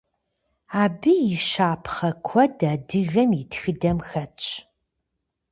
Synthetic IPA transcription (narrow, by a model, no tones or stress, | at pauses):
aːbɨjɪʃaːpʰχɐkʷʰɔdaːdɨɣɐmɪtxɨdɐmxɐt͡ʃʼ